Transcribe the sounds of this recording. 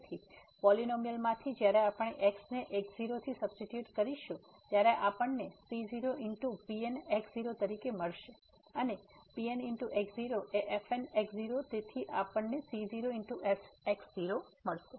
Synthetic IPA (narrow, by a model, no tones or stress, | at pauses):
t̪ʰi | pɔlinomijəlmãt̪ʰid͡ʒjaɾeapəɳeʔeksneʔekziɾot̪ʰisəbsʈiʈjuʈkəɾiʃũ | t̪jaɾeʔapəɳːesiziɾoɪɳʈupieneksziɾot̪əɾikeməɭʃe | ənepienɪɳʈuʔeksziɾoʔeʔefeneksziɾot̪et̪ʰiʔapəɳnesiziɾoiɳʈuʔefeksziɾo | məɭʃe